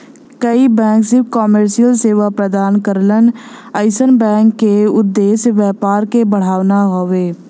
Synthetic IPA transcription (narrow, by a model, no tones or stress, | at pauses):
kɐibɛ̃ːŋksɪʋkɔːməɾʃijəlseːʋapɾəd̪aːnkəɾlənəɪsənbɛ̃ːŋkːeʊd̪ːeːsʋjɛːpaːɾkebəɽ̤aːʋnaɦoːʋeː